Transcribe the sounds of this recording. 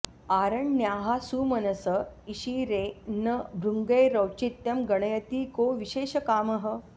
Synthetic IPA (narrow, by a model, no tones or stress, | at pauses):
aɾəɳːjaɦasuːmənɐsəiɕiɾenəbɾuŋɡəjɾəwt͡ɕit̪jɐmɡəɳ̃əjət̪iːkoʋiɕeːɕəkaːməɦə